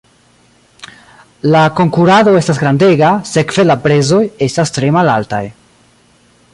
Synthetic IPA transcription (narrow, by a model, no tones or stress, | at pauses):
lako̞ŋkuɾado̞e̞stasɡɾande̞ɡase̞kve̞lapɾe̞zo̞je̞stastɾe̞malalta̰j